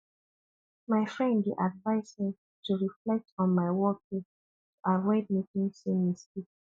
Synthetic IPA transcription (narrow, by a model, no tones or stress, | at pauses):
maɪfɹɛ̃ndiʔadvaɪshĩm | tuɹiflɛk̚tɔ̃nmaɪwɔkĩ | tuʔaɹɛɪd̚mitĩŋsĩmisti